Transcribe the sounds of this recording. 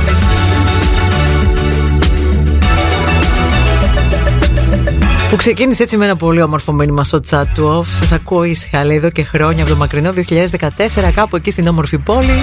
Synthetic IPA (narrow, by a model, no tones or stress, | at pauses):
pukse̞ciniseet͡simeenɐpo̞lio̞mo̞ɾfo̞minimɐst̪ot͡sɐt̪uofsɐsɐkuoisxɐliːðo̞ce̞xɾo̞ɲɐpot̪o̞mɐkɾino̞ðioçiʎɐðe̞zðe̞kɐt̪e̞se̞ɾɐkɐpue̞cist̪ino̞mo̞ɾfipo̞li